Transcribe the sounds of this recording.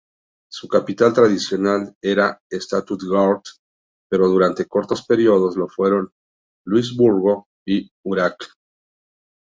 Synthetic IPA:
sukapit̪alt̪ɾaðisjo̞nale̞ɾaest̪at̪ut̪ɡaɾt̪ | pe̞ɾo̞ðuɾant̪e̞ko̞ɾt̪o̞spe̞ɾjo̞ð̞o̞zlo̞fwe̞ɾo̞n | lwiz̬βuɾɣo̞ | i | uɾak

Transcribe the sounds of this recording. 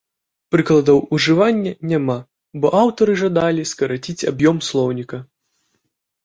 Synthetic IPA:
pɾɨklˠɐd̪ɐwuʐɨvanʲːɐnʲama | bɔʔawt̪ɐɾɨʐad̪alʲiskɐɾat͡sʲit͡sʲabjɔmslˠɔwnʲikɐ

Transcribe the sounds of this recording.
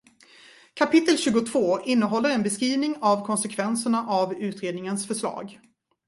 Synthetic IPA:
kʰapʰɪt̪ːəlɕʉ̟ːɡʊt̪ʰvoːʔɪnːəɦɔlːəɾɛnbɛskɾiːvnɪŋavkʰɔnsɛkʰvɛnsəɳaʔavʉ̟ːt̪ɾeːd̪nɪŋənsfœʂɭɑ̰ːɡ

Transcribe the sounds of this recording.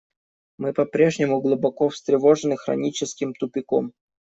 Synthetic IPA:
mɨpɐpɾʲe̞ʐnʲɪmʊɡlˠʊbɐkofst̪ɾʲɪvo̞ʐɨnɨxɾɐ̰nʲit͡ɕɪskʲɪmt̪ʊpʲɪkom

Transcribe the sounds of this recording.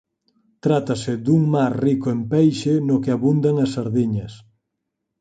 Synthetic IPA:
t̪ɾat̪asɪd̪uŋmaɾrikʊempɛjʃɪnʊkɪaβund̪aŋɐsːaɾðiɲɐs

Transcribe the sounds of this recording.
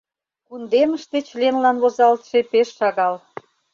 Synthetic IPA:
kund̪eməʃt̪et͡ɕlenlɑnβozɑlt̪ʃepeʃːɑɣɑl

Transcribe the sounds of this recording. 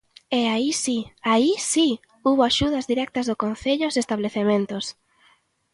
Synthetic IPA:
ɛaisiaisi | uβoaʃuð̞ɐzðiɾɛk̚t̪ɐzðʊkon̟θeʎʊzest̪aβleθemẽnt̪ʊs

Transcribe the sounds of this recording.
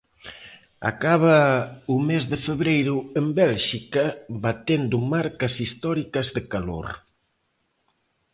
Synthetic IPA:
a̰kaβɐumezðɪfeβɾejɾʊembɛlʃikɐbat̪end̪ʊmaɾkɐsist̪ɔɾikɐzðɪkalo̰ɾ

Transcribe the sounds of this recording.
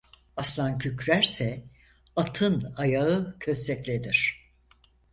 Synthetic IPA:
aslˠancʰycɾæɾsɛ | at̪ʰɯnajaɯcʰøsːɛclʲed̪iɾ̥

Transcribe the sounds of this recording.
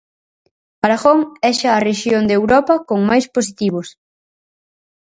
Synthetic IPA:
aɾaɣoŋɛʃaːreʃjond̪ewɾɔpɐkoŋmajspos̬it̪iβ̞os

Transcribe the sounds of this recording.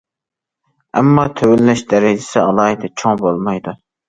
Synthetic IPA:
ɛ̰mːɑt̪ʰøwɪlːɛʃd̪ɛɾɪd͡ʒɪsɪɑlˠɑːid̪ʰɛt͡ʃʰoŋbolˠmɑjd̪u

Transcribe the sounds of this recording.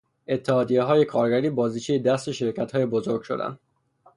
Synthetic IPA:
ʔe̞t̪ʰːehɒːd̪ije̞ɦɒːje̞kʰɒːɾɡæɾiːbɒːziːt͡ʃʰejed̪æst̪e̞ʃe̞ɾcʰæt̪hɒːje̞bozo̞ɾɡʃo̞̰d̪æ̰nd̪̥

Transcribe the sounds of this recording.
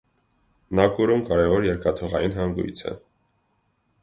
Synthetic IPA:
nɑkuɾumkɑɾɛvɔɾjɛɾkɑt̪ʰɔʁɑjinɦɑŋɡṵjt͡sʰɛ̰

